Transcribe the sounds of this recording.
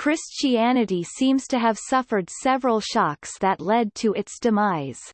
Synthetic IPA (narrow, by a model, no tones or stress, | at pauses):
kʰɹ̥ɪst͡ʃiænɨɾisĩmz̥tʰɨːv̥sʌfə˞d̥sɛvɹəl̩ˠʃɑksðɨtˡlɛd̚tʰɨɪtsd̥ɨmaɪz̥